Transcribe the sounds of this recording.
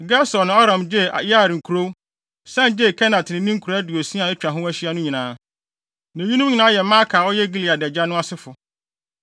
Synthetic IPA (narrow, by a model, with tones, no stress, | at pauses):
ɡa˦sɔ˨nːɪ̃˨ɔ˦ɾã˨md͡ʑe˦˨a˨ja˦˨ɾŋ̩˨kʰu˨ɾo˦ | sã˦nd͡ʑe˦˨kʰɛ˦nã˨tʰɪ˨nɪ̃˨˦nĩ˦ŋ̩˦kʰu˨ɾæ˦du˨o˨sĩ˦a˨ɪ˦t͡ɕᶣɾa˨ɦʊ̃˦æ˦ɕi˦a˦nʊ̃˦ɲĩ˨nãː˦ | nã˨ɲi˦nũ˦m˦ɲĩ˨nãː˦jɛ˨mã˦kʰaː˨ɔ˦jɛ˦ɡi˦li˨a˨dɛ˨d͡ʑa˦nʊ̃˦a˦sɪ˦fʊ˨